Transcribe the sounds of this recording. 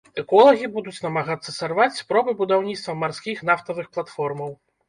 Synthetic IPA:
ɛkɔlˠɐɣʲibud̪ut͡sʲnɐmaɣat̪sːɐsarvat͡sʲspɾɔbɨbud̪awnʲit̪st̪vɐmarskʲixnaft̪ɐvɨxplˠat̪fɔrmɐw

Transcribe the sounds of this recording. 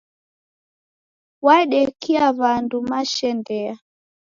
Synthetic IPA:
waɗɛkiaβandumaʃɛndɛa

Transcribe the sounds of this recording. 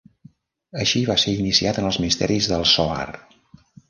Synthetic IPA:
əʃiβaseɾinisiat̪ənəlˠzmist̪ɛ̰ɾizðəlˠsoa̰r

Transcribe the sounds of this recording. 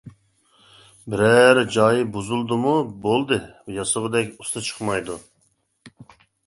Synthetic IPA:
bɪɾɛɾd͡ʒɑːjibuzulˠd̪ɨmubolˠd̪ɨjɑsəʁɨd̪ɛkʲust̪ʰɨt͡ʃʰə̥χmɑjd̪u

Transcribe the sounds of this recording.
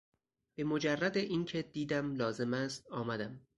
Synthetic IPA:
b̥e̞mod͡ʒærːæd̪eʔiːncʰe̞d̪̥iːd̪æmlɒːze̞mæst̪̚ɒːmæd̪æm

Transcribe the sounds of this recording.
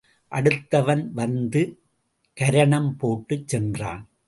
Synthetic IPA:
ʔɐɽɯt̪ːɐʋɐnʋɐnd̪ɯ | kɐɾɐɳɐmpoːʈːɯt͡ʃsɛndra̰ːn

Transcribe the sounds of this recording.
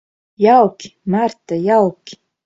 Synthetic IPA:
jawkmaɾt̪ajawkʲ

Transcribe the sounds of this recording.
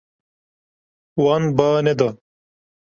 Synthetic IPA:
wanbaːned̪ɐ

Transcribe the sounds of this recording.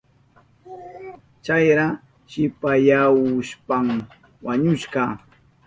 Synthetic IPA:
t͡ʃajɾa | ʃɪpajawʊʃpam | waɲʊʃɢɑ

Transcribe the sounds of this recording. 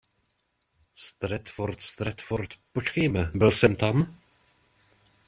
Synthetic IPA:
st̪ɾɛt̪foɾt̪st̪ɾɛt̪foɾt̪pot͡ʃkɛjmɛbɪlsɛmt̪am

